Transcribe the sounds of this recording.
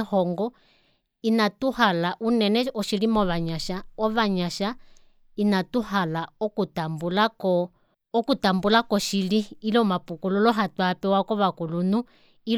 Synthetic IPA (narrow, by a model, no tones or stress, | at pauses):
hɔŋɡɔ | inatuhalaʔunɛnɛɔʃiɺimɔβaɲaʃaɔβaɲaʃa | inatuhalaɔkutambulakɔː | kutambulakɔʃiliːlɔmapukululɔɦatwapɛwakɔβakulunu | i